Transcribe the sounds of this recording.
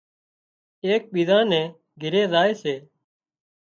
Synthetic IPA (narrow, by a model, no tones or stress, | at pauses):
eːk̚ɓiːzãːnɛ̃ː | ɡʱɪɾeːzaːeːseː